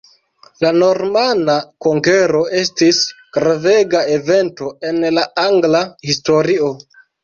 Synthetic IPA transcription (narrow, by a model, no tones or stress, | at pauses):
lano̞ɾmanakoŋɡeɾo̞e̞stisɡ̥ɾaveɡae̞ve̞nto̞e̞nlaaŋɡlahisto̞ɾio̞